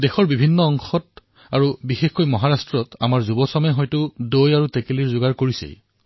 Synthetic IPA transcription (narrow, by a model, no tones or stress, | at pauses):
dexɔɹbibʱinːɔɔŋxɔt | aɹubixexkojmɔɦaɹastɹɔta̰maɹzubɔsɔmɛɦɔjtʊdojaɹutekeliɹzʊɡaɹkoɹisḛj